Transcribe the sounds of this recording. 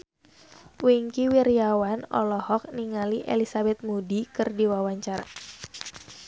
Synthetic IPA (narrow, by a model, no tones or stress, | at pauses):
wiŋkiwiɾjawanɔ̰lɔhɔk̚niŋaliʔḛlisabɛt̪̚mudikɨrdiwawaɲt͡ʃaɾa̰